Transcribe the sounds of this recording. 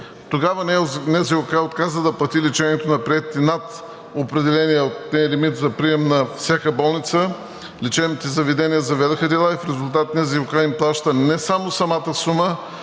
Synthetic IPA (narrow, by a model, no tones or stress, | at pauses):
t̪oɡavənɛnɛziʊkaot̪kazəd̪ɐplˠɐt̪ilit͡ʃɛniɛt̪onɐpɾiɛt̪t̪inɐt̪ | opɾɛd̪ɛlɛnijɛot̪ɛlɛmit̪zɐpɾiɛmnɐfsʲjakəbɔlˠnit̪sə | lit͡ʃɛvnit̪izɐvid̪ɛniəzɐvɛd̪oxəd̪ɛlˠaifɾɛzʊlˠt̪̬at̪nɛziʊkaimplˠaʃt̪ənɛsamosɐmat̪əsumə